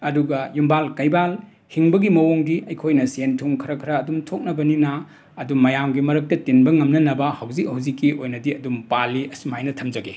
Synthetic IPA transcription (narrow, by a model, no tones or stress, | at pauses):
ɐduɡɐjumbalkɐjbal | hiŋbɐɡimɐwoŋdiʔɐjkʰojnɐsentʰuŋkʰɐɾɐkʰɾɐːdumtʰok̚nɐbɐninɐː | duːɐjamɡimɐɾɐk̚tɐtenbɐŋɐmnɐnɐbɐhɐwzik̚hɐwzikːiʔojnɐdiɐdumpaliɐsumajnɐtʰɐmd͡ʒɐɡe